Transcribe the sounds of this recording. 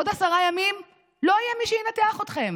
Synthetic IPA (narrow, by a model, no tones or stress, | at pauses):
od̪asaʁajamim | lo̞ajɛmiʃɛinat̪eaχot̪χe̞m